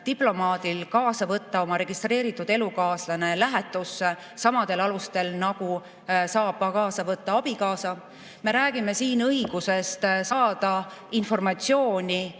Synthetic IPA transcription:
t̪iplo̞mɑːd̪̥ilkɑːsɑvɤt̪ːɑo̞mɑɾe̞ɡ̥ist̪re̞ːɾit̪ːˑud̪̥e̞lukɑːslɑne̞læɦe̞t̪ːˑus | sɑmɑd̪̥e̞lɑlust̪e̞lnɑɡ̥u | sɑːb̥kɑːsɑvɤt̪ːɑɑb̥ikɑːsɑ | me̞ɾæːɡime̞siːnɤiɡ̥use̞st̪sɑːd̪̥ɑinfo̞rmɑt̪sio̞ːnʲi

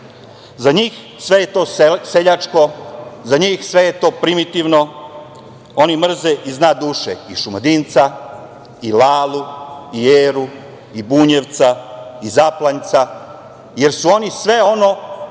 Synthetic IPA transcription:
zaɲiːx | sʋe̞jet̪o̞ːseʎat͡ʂko̞zaɲiːxsʋe̞jet̪o̞ːpɾimit̪iʋno̞ | o̞nimr̩zeʔiznaːd̪uːʃḛiʃumad̪int̪sa | ilaːluieːɾu | ibuːɲeʋt̪saizaplˠant̪sa | je̞ɾsuo̞nisʋe̞o̞no̞

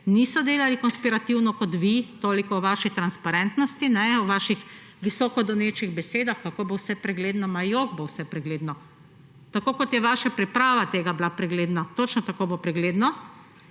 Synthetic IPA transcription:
nisɔd̪eːlalikɔnspiɾat̪iwnɔkɔt̪ʋit̪oːlikɔwʋaːʃit̪ɾanspaɾɛnt̪nɔst̪inɛwʋaːʃix | ʋisɔːkɔd̪ɔneːt͡ʃiɣbɛseːd̪axkakobowsɛpɾɛɡleːd̪nɔmajoɡbowsɛpɾɛɡleːd̪nɔ | t̪akoːkɔt̪jɛʋaːʃapɾɛpɾaːʋat̪eːɡablapɾɛɡleːd̪nat̪ot͡ʃnɔt̪akobopɾɛɡleːd̪nɔ

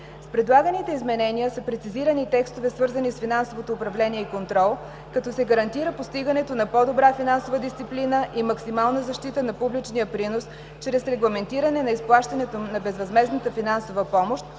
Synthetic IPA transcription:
spɾɛd̪lˠaɡənit̪ɛizmɛnɛniəsəpɾɛt̪siziɾənit̪ɛkst̪ovɛsvɤɾzənisfinansovot̪oːpɾɐvlɛniɛikont̪ɾɔlˠ | kɐt̪ɔsɛɡəɾɐnt̪iɾəpost̪iɡənɛt̪onɐpɔd̪obɾafinansovəd̪ist̪iplinəʔimɐksimalˠnəzɐʃt̪it̪ənɐpublit͡ʃniəpɾinos | t͡ʃɾɛsɾɛɡlˠɐmɛnt̪iɾənɛnɐisplˠaʃt̪ɐnɛt̪onɐbɛzvɐzmɛznət̪əfinansovəpɔmoʃt̪̚

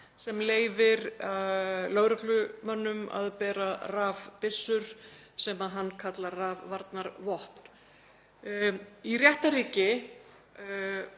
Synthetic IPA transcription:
sɛmleːjvɪɾalœɣɾʏklʏmœnːʏma̰ðpɛːɾaraːvpɪsːʏɾ̥ | sɛmaðɦanːkʰat̪laraːvːaɾt̪naɾvɔhpn̥ | irjɛht̪aɾiːcɪ

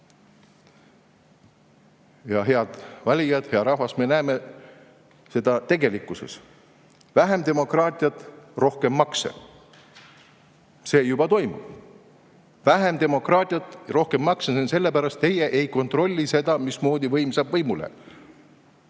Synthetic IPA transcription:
jɑɦe̞ɑd̪̥vɑlʲijɑd̪̥heɑɾɑɦvɑsme̞næːme̞ | se̞d̪̥ɑt̪e̞ɡe̞likːˑuse̞̰s | væɦe̞md̪e̞mo̞krɑːt̪ʲˑiɑt̪ˑro̞hkemːɑksḛ | se̞ːjub̥ɑt̪o̞jmṵ̥ | væɦemd̪e̞mo̞krɑːt̪ʲˑiɑt̪ːˑro̞hke̞mːɑksesense̞lːe̞pæɾɑst̪ːe̞jeʔejko̞nt̪ro̞lʲːise̞d̪̥ɑmismo̞ːd̪ivɤ̞jmsɑːbvɤjmulḛ

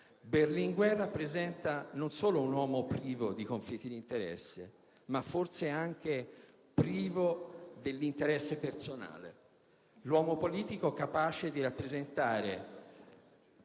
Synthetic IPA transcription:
berliŋɡwɛrːapːɾezɛnt̪anonsoːlounwɔːmopɾiːvod̪ikoɱflit̪ːid̪iːnt̪eɾɛ̰sːe | mafːorseaŋk̟e | pɾiːvod̪elːint̪eɾɛsːepersona̰ːlḛ | lwɔːmopoliːt̪ikokapaːt͡ʃed̪iɾapːɾezent̪aːɾe

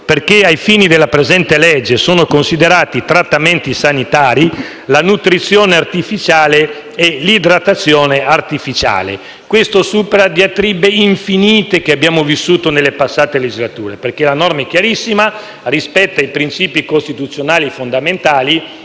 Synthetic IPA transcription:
perk̟eajfiːnid̪elːapɾezɛnt̪elɛd͡ʒːesoːnokonsid̪eɾaːt̪it̪ɾat̪ːament̪isanit̪aːɾi | lanut̪ɾit̪sːjoːneart̪ifit͡ʃaːle | ɛlid̪ɾat̪ːat̪sːjoːneart̪ifit͡ʃa̰ːlḛ | kwest̪osuːpeɾad̪iat̪ɾibeiɱfiniːt̪ek̟eabːjaːmovisːuːt̪onelːepasːaːt̪eled͡ʒizlat̪ṵːɾeperk̟elanɔrmaɛk̟jaɾisːima | rispɛt̪ːajpɾint͡ʃiːpikost̪it̪ut̪sːjonaːlifond̪ament̪aːli

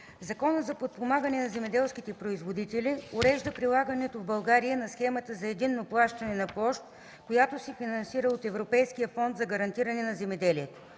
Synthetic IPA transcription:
zɐkɔnət̪zɐpot̪̚pomaɡɐnɛnɐzɛmɛd̪ɛlˠsk̟it̪ɛpɾoizvod̪it̪ɛlioɾɛʒd̪əpɾilˠaɡənɛt̪ovbɐlˠɡaɾijənɐsxɛmət̪əzɐɛd̪inːoplˠaʃt̪ɐnɛnɐplˠɔʃt̪ | kojat̪osɛfinɐnsiɾəot̪ɛvɾopɛjskijəfɔnt̪zɐɡɐɾɐnt̪iɾɐnɛnɐzɛmɛd̪ɛliɛt̪o̥

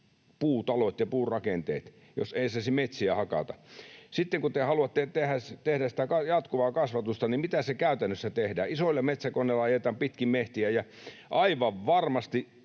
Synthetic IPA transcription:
puːt̪ɑlot̪jɑpuːrɑkent̪ḛːt̪ | jo̰seisɑˑsimet̪siæhɑkɑ̰t̪ɑsit̪ːeŋkut̪ehɑluɑt̪ːet̪ehæt̪ehdæsi̥t̪ækɑjɑt̪kuʋɑːkɑsʋɑt̪ust̪ɑnimmit̪æsekæyt̪ænːøsːæt̪ehdæːisoilːɑmet̪sækonːelːɑɑjet̪ɑːmpit̪kimmeht̪iæjæ | ʔɑiʋɑʋʋɑrmɑst̪i

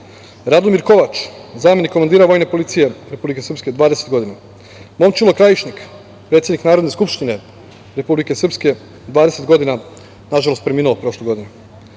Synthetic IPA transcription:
ɾad̪omiɾko̞ʋat͡ʃzaːme̞nikːomand̪iːɾaʋo̞jne̞po̞lit̪sije̞ɾe̞publikesɾr̩psked̪ʋaːd̪e̞se̞t̪̚ɡo̞d̪ina | mo̞mt͡ʃilˠo̞kɾajiʃnik | pɾet̪sjed̪niknaːɾod̪ne̞skupʃt̪ine̞ | ɾe̞publike̞sr̩pske̞ | d̪ʋaːd̪e̞set̪ɡo̞d̪ina | naʒalo̞st̪pɾemiːnulopɾo̞ʃloɡo̞d̪inu

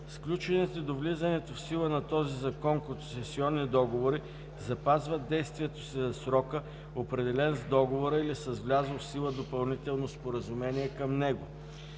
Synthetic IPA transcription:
sklʲut͡ʃɛnit̪od̪ovlizɐnɛt̪ofsilˠənɐt̪ɔzizɐkɔnkot̪ʊsɛsiɔnːid̪ɔɡovoɾi | zɐpazvəd̪ɛjst̪viɛt̪o̥sizɐsɾɔkə | opɾɛd̪ɛlɛnzd̪ɔɡovoɾəilisɐzvlʲazəlˠfsilˠəd̪opɐlˠnit̪ɛlˠnospoɾəzumɛniɛkəmnɛɡo

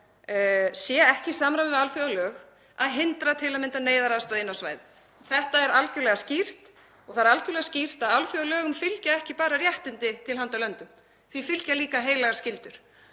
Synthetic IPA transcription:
sjɛɛhcɪsaːmɾamɪalfjœɣlœːɣ | aðɦɪnt̪ɾat̪ʰɪlaðmɪnt̪aneːjðaɾaðast̪ɔðɪnːawsvaːjðɪ | θɛht̪aɛɾalcʏɾlɛɣascir̥t̪ | ɔɣθaðɾalcʏɾlɛɣascir̥t̪aðalfjœɣalœːɣʏmfɪlcaɛhcɪpaːɾarjɛht̪ɪnt̪ɪt̪ʰɪlɦant̪alœnt̪ʏm | θvifɪlcaliːkaɦeːjlaɣaɾ̥scɪlt̪ʏɾ̥

